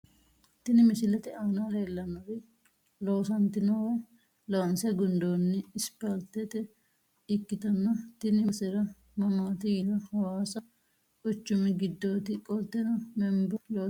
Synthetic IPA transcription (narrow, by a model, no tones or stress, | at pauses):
t̪ɪnɪmɪsɪlɐt̪ɛʔaːnaleːlːɐnɐɾɪ | loːsɐnt̪ːɪnɔwɐ | lɐwɐnsɛɡʊnd̪oːnːɪːspɐlt̪ːɛt̪ɛ | ɪkːɪt̪ɐnːɐt̪ɪnɪsɛɾɐ | mɐmaːt̪ɪjɪlɐhɐwaːsɐ | ʊt͡ʃːʊmɪɡɪd̪ːo̞ːt̪ɪkʼɔlt̪ːɛnɐmɛmbɐjoː